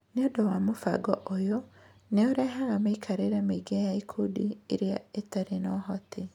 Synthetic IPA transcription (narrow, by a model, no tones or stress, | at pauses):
neodɔwamofa̰ɡɔʔojo | neɔɾɛɦaɣamaikʰaɾeɾameiɡajaikʰudieɾjaetaɾenɔɦɔtʰi